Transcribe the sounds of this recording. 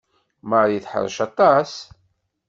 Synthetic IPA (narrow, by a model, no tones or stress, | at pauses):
məɾˤjiθħə̰ɾˤəʃɑt̪ˤɑs